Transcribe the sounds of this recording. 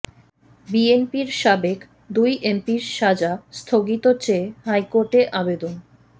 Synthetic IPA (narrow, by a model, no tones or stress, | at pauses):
bienpiɾʃabek | d̪ujʔempiɾʃad͡ʑast̪ʰoɡit̪ot͡ɕehajkoɾʈeʔabed̪on